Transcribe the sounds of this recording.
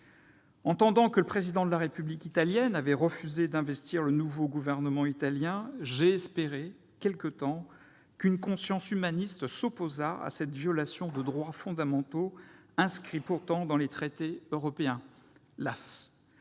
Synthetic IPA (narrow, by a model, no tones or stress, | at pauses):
ɑ̃t̪ɑ̃d̪ɑ̃kələpχezid̪ɑ̃d̪əlaʁepyblikit̪aljɛnavɛʁəfyzed̪ɛ̃vɛst̪iʁlənuvoɡuvɛʁnəmɑ̃it̪aljɛ̃ʒeɛspeʁe | kʲɛlkət̪ɑ̃ | kynkɔ̃sjɑ̃symanist̪sɔpozaa̰sɛt̪vjɔlasjɔ̃d̪əd̪ʁwafɔ̃d̪amɑ̃t̪oɛ̃skχipuʁt̪ɑ̃d̪ɑ̃let̪χet̪eøʁɔpeɛ̃ | las